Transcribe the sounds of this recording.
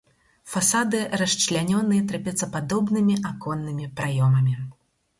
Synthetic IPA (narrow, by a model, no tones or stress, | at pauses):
fasad̪ɨɾɐʂt͡ʃlʲanʲɔnɨjɛt̪ɾapʲɛt̪sɐpad̪ɔbnɨmʲiʔakɔnːɨmʲipɾajɔmɐmʲi